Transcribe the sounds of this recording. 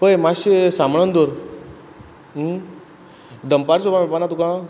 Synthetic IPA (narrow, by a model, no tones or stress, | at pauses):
pəjmaɕisamɳənd̪oɾ | d̪əmpaɾsopamepanat̪ukã